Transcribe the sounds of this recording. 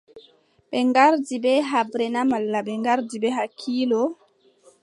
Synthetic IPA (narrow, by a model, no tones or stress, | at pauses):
ɓɛŋɡaɾdibɛɦabɾɛnamalːaɓɛŋɡaɾdibɛɦakʰːiːlɔ